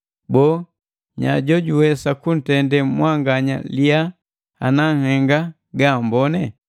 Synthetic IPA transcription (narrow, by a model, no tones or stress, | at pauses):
bɔː | ɲa̰ɟɔɟuwɛsakun̩tɛndɛmwaŋɡaɲa̰lia | a̰naŋhɛŋɡa | ɡambɔnɛ